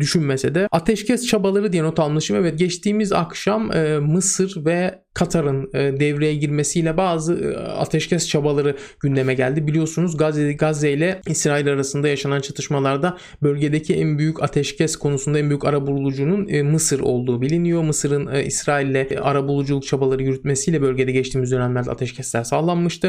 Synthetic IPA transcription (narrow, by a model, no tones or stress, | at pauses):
d̪yʃynmesed̪ɛat̪ʰɛʃcʰɛst͡ʃʰabalˠaɾɯd̪ijɛno̞t̪ʰalˠmlˠɯʃɯmɛvɛt̪̚ɟɛt͡ʃt̪ʰiːmiza̰kʃamːɯsɯɾvɛ | kʰat̪ʰaɾɯnɯːd̪ɛvɾejɛɟiɾme̞sijlʲɛbaːzɯa̰t̪ʰɛʃcɛst͡ʃʰabalˠaɾɯɟ̥ynd̪e̞mɛɟælʲd̪ibilʲijo̞sunuzɡaɡazɛjilʲɛisɾaːilʲaɾasɯnd̪ajaʃanant͡ʃʰat̪ʰɯʃmalˠaɾd̪a | bø̞lʲɟe̞d̪ecʰiʔɛnbyjycʰat̪ʰɛʃcʰɛskʰo̞nusund̪aɛnbyjycaɾabulˠulˠud͡ʒununːmɯsɯɾo̞̰lˠd̪uːbilʲinijo̞mɯsɯɾɯnḭsɾaːilʲːɛa̰ɾabulˠud͡ʒulˠuk̚t͡ʃʰabalˠaɾɯjyɾyt̪̚me̞sijlʲɛbø̞lʲɟe̞d̪ɛɟɛt͡ʃt̪ʰiːmizd̪ø̞nɛmlʲæɾd̪ɛa̰t̪ʰɛʃcʰɛslʲæɾsaːlˠanmːɯʃt̪ʰɯ